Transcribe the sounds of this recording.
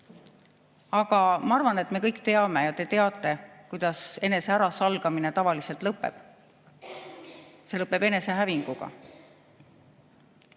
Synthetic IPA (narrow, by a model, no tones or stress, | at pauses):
ɑɡ̥ɑmɑɑrvɑne̞t̪ːˑme̞kɤjkːt̪e̞ɑme̞jɑt̪e̞t̪e̞ɑt̪ːˑe̞kujd̪̥ɑse̞nese̞æɾɑsɑlɡ̥ɑmine̞t̪ɑvɑlise̞lt̪lɤpːˑe̞̰b̥ | se̞lɤpːˑe̞b̥e̞ne̞se̞ɦæviŋɡ̥uɡ̥ɑ̰